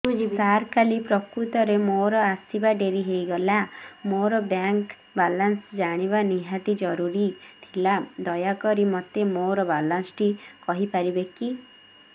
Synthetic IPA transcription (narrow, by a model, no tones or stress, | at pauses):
ũd͡ʒikaɾkalipɾɔkɾut̪ɔɾemoɾɔasibaɖeɾiɦejɡɔlamoɾɔbaŋk | balansd͡ʒaɽ̃iβaniɦat̪id͡ʒɔɾuɾit̪ʰilad̪ɔjakɔɾimɔt̪emoɾɔbalansʈikɔɦipaɾibeki